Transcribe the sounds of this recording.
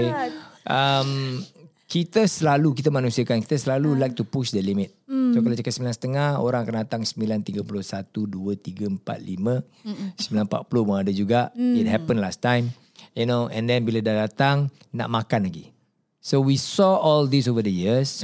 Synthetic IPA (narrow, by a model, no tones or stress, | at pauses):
ʔəm | kit̪əsəlalukit̪əmanũsiakanki̥t̪əsəlalulajk̚t̪upuʃdəlimɪt̪̚sokalat͡ʃakat̪̚səmilansə̥t̪əŋaho̰ɾaŋakandat̪aŋsəmilant̪iɡəpulʊhsat̪uduət̪iɡəəmpa̰t̪̚limə̃ | səmbilanpa̰t̪̚pulʊhməadəd͡ʒuɡaʔit̚ɦɛpə̃nlastãjm | junoʔɛ̰̃ndɛnbiladadat̪aŋ | na̰ʔmakanlaɡi | sowisɔʔɔld̪is̬ovədəjis